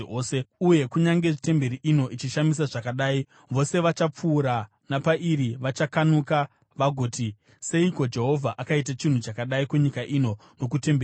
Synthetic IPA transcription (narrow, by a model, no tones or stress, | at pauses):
oːseuje̞kuɲaŋɡe̞ʐite̞mbe̞ɾiʔino̞ʔit͡ʃiʃamisaʐakaɗaːi | ʋo̞se̞ʋat͡ʃap͡fuːɾa | napaʔiriʋat͡ʃakanuka | ʋaɡʱoːti | se̞iko̞d͡ʒe̞ɦo̞vʱaʔakait̬at͡ʃin̤ut͡ʃakaɗaikuɲikaʔino̞ | no̞k̬ute̞mbe